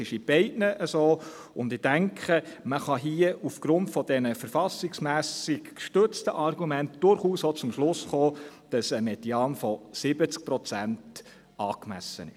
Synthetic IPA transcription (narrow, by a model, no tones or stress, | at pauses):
ɪʃib̥ɛɪtnəʔəsoː | ʊndɪd̥æŋkχəməχɑɦiəufɡ̥ɾʊntfɔd̥ɛnəfəɾfɑsɪksmæːsɪkʃtʏt͡stəʔɑɾɡumæntd̥ʊɾχuːsot͡sʊmʃlʊsχoːd̥ɑsəmɛdiɑːnfɔsɪbət͡sk̚pɾɔt͡sænt | ɑːkmæ̰sə̰nɪ̰ʃ